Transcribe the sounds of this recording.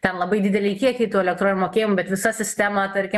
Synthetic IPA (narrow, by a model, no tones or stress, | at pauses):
t̪ʲɛnlˠɐbɐɪd̪ʲɪd̪ʲɛlʲɛɪkʲiɛkʲɛɪt̪uːɛlʲɛk̚t̪ɾoːnʲmoːkʲeːjɪmʊbʲɛt̪ʋʲɪsɐsʲɪsʲt̪ʲæmɑt̪ɐɾʲkʲɪ